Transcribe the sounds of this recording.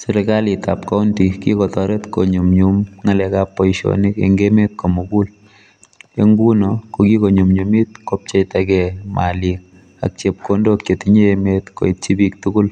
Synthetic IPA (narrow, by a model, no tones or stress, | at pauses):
sɛɾɪkalitapkaʊntikḭkɔt̪ɔɾɛt̪ko̰ɲumɲumŋalɛkapːɔiʃo̰nikḛŋɡemet̪̚komukul | eŋɡunɔkokikoɲumɲumit̪̚kɔp̚t͡ʃejtakɛmalik | a̰k̚t͡ʃep̚kondokjetiɲeemet̪ko̰itt͡ʃibik̚tukʊl